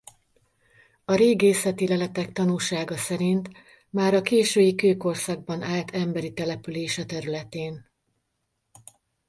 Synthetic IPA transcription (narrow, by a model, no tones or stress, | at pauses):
ɒɾeːɡeːsɛt̪ilɛlɛt̪ɛkt̪ɒnuːlʃaːɡɒsɛɾint̪ | maːɾɒkeːʃøːjikøːko̞rsɒɡ̚bɒnaːlt̪ʰɛmbɛɾit̪ɛlɛpyleːʃɛt̪ɛɾylɛt̪eːn